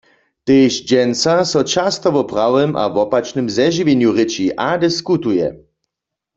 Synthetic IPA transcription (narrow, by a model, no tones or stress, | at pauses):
t̪eːʃd͡ʒɛnsasɔt͡ʃast̪ɔʋɔpʁawɛmʔa̰vɔpat͡ʃnɨmzɛʒivenjuʁɪt͡ʃiʔad̪ɛskut̪ujɛ̰